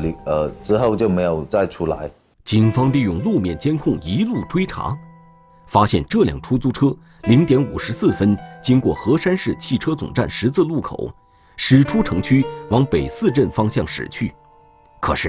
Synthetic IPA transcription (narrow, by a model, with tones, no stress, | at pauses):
li˧ə˧ʈ͡ʂɻ̩˧˥xo˥˧ʊt͡ɕjo˥˩ʊme˧˥ɪjo˨˩ʊt͡sa˥˧ɪʈ͡ʂʰu˥la̰˧˥ɪ | t͡ɕi˨˩nfɑ˥ŋli˥˧jʊ˥˧ŋlu˥˧mjɛ˥˩nt͡ɕjɛ˥nkʰʊ˥˩ŋi˧˥lu˥˩ʈ͡ʂwe˥ɪʈ͡ʂʰa̰˧˥ | fa˥ɕjɛ̰˥˧nʈ͡ʂɤ˥˩ljɑ̰˨˩ŋʈ͡ʂʰu˥t͡su˥˩ʈ͡ʂʰɤ˥ | li˧˥ŋt̪jɛ˧˥nu˨˩ʂɻ̩˧˥sɹ̩˥˩fə˥nt͡ɕi˥ŋkwɔ˥˩xɤ˧˥ʂa˥nʂɻ̩˥˩t͡ɕʰi˥˩ʈ͡ʂʰɤ˥t͡sʊ̰˨˩ŋʈ͡ʂa̰˥˩nʂɻ̩˧˥t͡sʰɹ̩˥˧lu˥˩kʰo̰˨˩˦ʊ | ʂɻ̩˨˩ʈ͡ʂʰu˥ʈ͡ʂʰɤ˧˥ŋt͡ɕʰy˥wɑ˧˥ŋpe˨˩ɪsɹ̩˥˧ʈ͡ʂə˥˩nfɑ˥ŋɕjɑ˥˩ŋʂɻ̩̰˨˩t͡ɕʰy˥˩ | kʰɤ̰˨˩ʂɻ̩˥˩